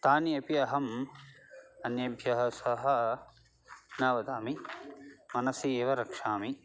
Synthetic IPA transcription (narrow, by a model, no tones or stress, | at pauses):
t̪aːniɐpiɐɦɐm | ɐnjɐbʱjɐɦɐ̆sɐɦɐ | naːʋɐd̪aːmi | mɐnɐsieːʋɐɾɐkʂaːmi